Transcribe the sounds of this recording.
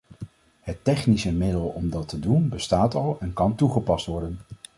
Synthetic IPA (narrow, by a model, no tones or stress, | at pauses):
hətːɛχnisəmɪdəlˠɔmdɑtədunbəstaːtɑlˠɛnkɑntuχəpɑstʋɔɹdən